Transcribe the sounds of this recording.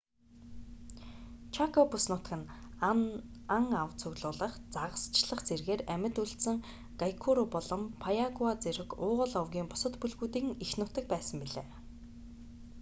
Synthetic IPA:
t͡ɕʰakʰɔpusnʊt̪kɘ̆n | aŋawt͡sʰɵɣɮʊːɮə̆χt͡saʁə̆st͡ɕɮə̆χt͡serɣeːræmʲɪ̆t̪uɬt̪sɘ̆ŋ | ɡ̥ajkʰuɾupɔɮɞ̆mpʰajaɣwat͡seɾɘ̆kʊːʁə̆ɮœwɣʲiːŋpʊ̥sə̆t̪puɮɣuːt̪iːŋixnʊt̪ɘ̆k̚pæːsə̆mpiɮḛː

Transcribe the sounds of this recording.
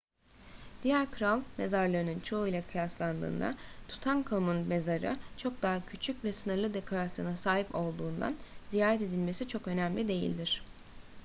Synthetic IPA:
d̪̥ijæɾkʰɯɾalˠme̞zaɾlˠaɾɯnɯnt͡ʃʰo̞ujlˠakʰɯjaslˠand̪ɯ̰ːnd̪a̰t̪ʰu̥t̪ʰankʰomunme̞zaɾɯ̰t͡ʃʰo̞k̚d̪aɦacʰyt͡ʃʰycvɛsɯnɯɾlˠɯd̪e̞kʰo̞ɾasjonasaːɦipo̞lˠd̪uːnd̪a̰nzijaːɾɛt̪e̞d̪ilʲme̞sit͡ʃʰo̞kø̞næmlʲid̪e̞jḭlʲd̪iɾ̥

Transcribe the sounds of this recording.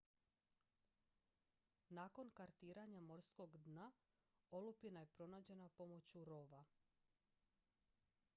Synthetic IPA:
naːko̞nkaɾt̪iːɾaɲamo̞ɾsko̞ɡd̪na | olupinaje̞pɾo̞naːd͡ʑe̞napo̞mo̞t͡ɕuɾo̞ʋa

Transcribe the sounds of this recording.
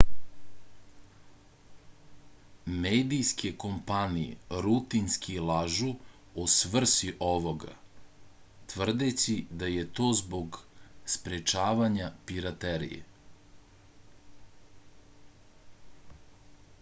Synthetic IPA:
meːd̪ijskʰeko̞mpanijḛɾut̪inskʰilˠaʒu | osʋr̩siʔoʋo̞ɡa̰ | t̪ʋr̩d̪et͡ɕid̪ajet̪o̞ːzbo̞ɡspɾet͡ʃaːʋaɲapiɾat̪eɾḭjḛ

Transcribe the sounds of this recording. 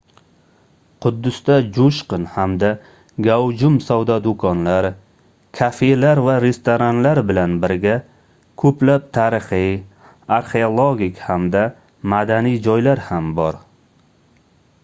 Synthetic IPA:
qʰʊd̪ːʊst̪ad͡ʒoʃqɨnhamd̪a | ɡawd͡ʒʊmsawd̪ɒd̪ʊkʰɒnlaɾ | kʲʰafelaɾvaɾe̞st̪oɾanlaɾbɪlanbɪɾɡʲa | kʰɵplap̚t̪ʰaɾɪχij | aɾχeolˠoɡʲikʲhamd̪a | mad̪anijd͡ʒɒjlaɾhambɒɾ

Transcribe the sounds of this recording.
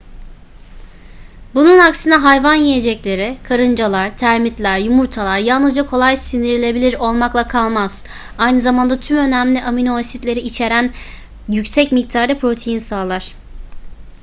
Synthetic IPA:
bununaksɯnaɦajvanjije̞d͡ʒɛclʲe̞ɾɪkʰaɾɯnd͡ʒalˠaɾ̥t̪ʰæɾmit̪lʲæɾjumuɾt̪ʰalˠaɾjalˠnɯzd͡ʒakʰo̞lˠajsind̪iɾilʲe̞bilʲiɾo̞lˠmaklˠakʰalˠmaz̥ | ajnɯzamand̪at̪ʰymø̞næmlʲiʔaminoasit̪lʲe̞ɾiit͡ʃʰe̞ɾæn | jycsɛcmic̚t̪ʰaɾd̪ɛpʰɾo̞t̪ʰejinsaːlˠaɾ̝̥

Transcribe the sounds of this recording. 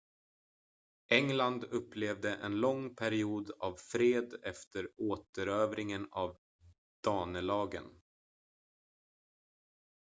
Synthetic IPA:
ʔɛŋland̪ɵpːleːvd̪əʔɛ̰nlɔŋpʰæɾɪuːd̪avfɾeːd̪ɛft̪ʰəɾoːt̪əɾøːvɾɪŋənav | d̪̥ɑːnəlɑːɡə̰n

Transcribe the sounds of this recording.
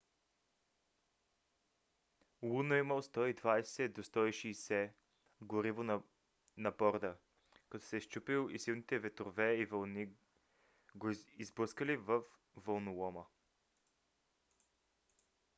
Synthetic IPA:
lˠunoiməlˠst̪ɔid̪vajsɛd̪ost̪ɔiʃiːsɛ | ɡoɾivon | nɐbɔɾd̪ə | kɐt̪ɔ̥sɛʃt͡ʃupilˠisilˠnit̪ɛvɛt̪ɾovɛivəlˠni | ɡoizbəskəlivəf | vəlˠnolˠɔmə

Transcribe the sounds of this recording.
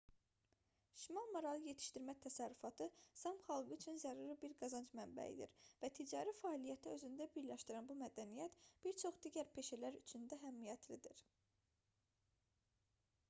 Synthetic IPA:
ʃimɑlˠmoɾɑlˠɯje̞t̪ʰi̥ʃt̪iɾmæt̪ʰæsæɾːyfɑt̪ʰɯsɑmχɑlˠɡɯyt͡ʃʰynzæɾuɾɯbiɾɡɑzɑnd͡ʒmæmbæ̰ḭd̪ḭɾvæt̪ʰid͡ʒɑːɾifæːlijæt̪ʰiø̞zynd̪æbiɾlæʃt̪iɾænbumæd̪ænijæt̪b̥iɾt͡ʃʰo̞χd̪iːɟæɾpʰe̞ʃælæɾyt͡ʃʰynd̪æɦæmːijæt̪ʰlid̪iɾ

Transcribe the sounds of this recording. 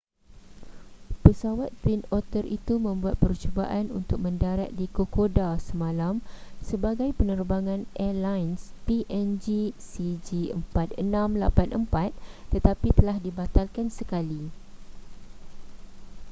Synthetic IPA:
pəsawat̪̚ːwinɔt̪ərḭt̪umə̃mbuat̪̚pərt͡ʃuba̰ʔanṵnt̪ʊk̚mə̃ndaɾa̰t̪̚dikokodasəmãlamsəbaɡajpənərbaŋãnʔɛlajnspiʔɛnd͡ʒisid͡ʒiəmpat̪̚ənãmla̰panʔəmpat̪̚ːət̪apit̪əlahdibat̪alkansəkali

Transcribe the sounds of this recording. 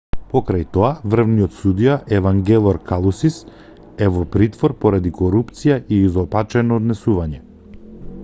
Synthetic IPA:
pɔkɾajt̪ɔavr̩vnijɔt̪sud̪ijaʔɛvaŋɡɛlˠɔɾkalˠusis | ɛvɔpɾit̪vɔɾpɔɾad̪ikɔɾupt̪sijaʔiːzɔpat͡ʃɛnɔːd̪nɛsuvaɲɛ

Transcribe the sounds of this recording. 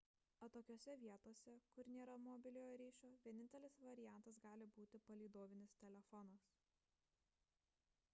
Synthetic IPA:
ɐt̪oːkʲoːsʲɛʋʲiɛt̪oːsʲɛkʊɾnʲeːɾɐmɔbʲɪlʲoːjoɾʲiːʃʲoːʋʲiɛnʲɪnt̪ʲɛlʲɪsʋɐɾʲɪjæˑnˑt̪ɐs̬ɡɑːlʲɪbuːt̪ʲɪpɐlʲiːd̪oːʋʲɪnʲɪst̪ʲɛlʲɛfɔnɐs

